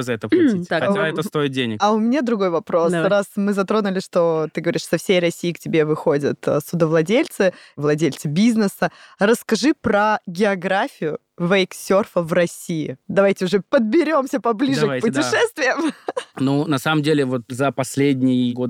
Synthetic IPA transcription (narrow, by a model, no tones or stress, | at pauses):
zɐɛt̪əpitʲxɐtʲaɛt̪əst̪o̞ɪt̪̚dʲenʲɪkɐʊmʲɪnʲad̪ɾʊɡo̞jvɐpɾo̞srasmɨzɐt̪ɾo̞nʊlʲɪʂt̪o̞t̪ɨɡəvɐɾʲiʂsɐfsʲejrɐsʲiːɪktʲɪbʲevɨxo̞dʲət̪sʊd̪əvlˠɐdʲelʲt̪sɨvlˠɐdʲelʲt̪sɨbʲiznɨsəɾəskɐʐɨpɾəɡʲɪɐɡɾafʲɪjʊ | vɐɪksʲorfəvrɐsʲiːɪd̪ɐvajtʲɪʊʐɛpəd̪̚bʲɪɾʲo̞msʲəpɐblʲiʐɨkkpʊt̪ʲɪʂɛst̪vʲɪjəmnunɐsaməmdʲelʲɪvo̞t̪̚zɐpɐsʲlʲedʲnʲɪjəɡod̪